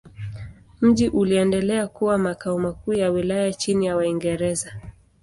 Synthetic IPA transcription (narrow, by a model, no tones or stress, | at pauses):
m̩ʄiʔuliɛndɛlɛakuwamakaumakuːjawilajat͡ʃinijawaiŋɡɛɾɛza